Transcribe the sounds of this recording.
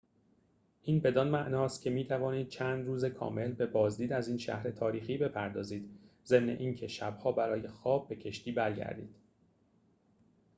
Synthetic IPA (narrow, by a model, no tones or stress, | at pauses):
ʔiːnbe̞d̪ɒːnmæʔnɒːst̪̚cʰʲe̞miːt̪ʰævɒːniːd̪̚t͡ʃʰæːnd̪ruːzekʰɒ̰ːme̞lbe̞bɒːzd̪iːd̪æziːnʃæ̰hɾe̞t̪ʰɒːɾiːxiːbe̞pʰæɾd̪ɒːziːd̪ze̞mne̞̰ʔiːncʰe̞ʃæb̥hɒːbæɾɒːje̞xɒːbːe̞cʰe̞ʃt̪iːbæɾɟæ̰ɾd̪ḭːd̪̥